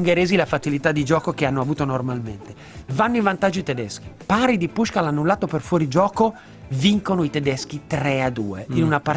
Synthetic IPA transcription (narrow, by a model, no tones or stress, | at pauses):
ŋɡeɾeːzilafat͡ʃilit̪ad̪ːid͡ʒɔːkokeanːoavuːt̪onormalment̪e | vanːoivant̪ad͡ʒːit̪ɛd̪ɛsk̟i̥paɾid̪ipuʃkalanːulːaːt̪operfwɔːɾid͡ʒɔːko | viŋkonoit̪ɛd̪ɛskit̪ɾɛad̪ṵːḛinunapːa